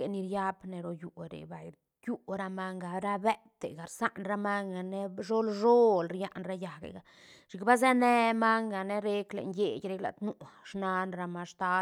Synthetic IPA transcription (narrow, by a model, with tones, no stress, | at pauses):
e˨ni˧ɾja˦bne˧ɾo˧ju˨ɾḛ˨ba˨j | ju˦ɾa˧ma˧ŋɡa˨ɾa˦be˦t̪ḛ˨ɡa˨ɾsa˦ʔnɾa˦ma˦ŋɡa˨ne˦ʐo˦lʐo˦lɾja˧ʔnɾa˧ja˨ɡḛ˨ɡa˨ | ʃi˨kba˦ze˦ne˦ma˦ŋɡa˨ne˦ɾe˦klḛ˨nje˨jɾe˦kla̰˨t̪nu˦˧ʂna˧nɾa˧ma˧ʂt̪a˦